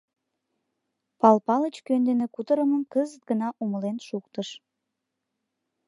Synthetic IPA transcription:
pɑlpɑlət͡ɕkønd̪enekut̪əɾəməmkəzət̪̚ɡənɑʔuməlenʃukt̪əʃ

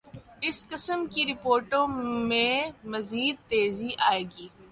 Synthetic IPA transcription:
ɪskɪsəmkiɾɪpoːɾʈõmẽmɐziːd̪̚t̪eːziʔaːeːɡiː

